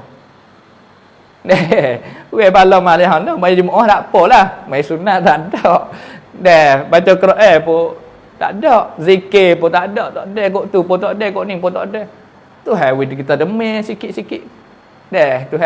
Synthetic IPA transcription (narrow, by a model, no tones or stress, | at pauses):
dɛ | wɛpalɔmalɛɦanɔmajad͡ʒimoʔɔt̪aʔpɔlahmaisunaʔt̪aʔdɔʔdɛbat͡ʃɔkəɾɔʔɛpo | t̪a̰ʔdɔʔzikepot̪aʔdɔʔt̪ɔʔdɛhkoʔt̪upot̪ɔʔdɛhkoʔniŋpot̪ɔʔdɛh | t̪uɦɛwidkit̪adəmɛsikiʔsikiʔ | dɛht̪u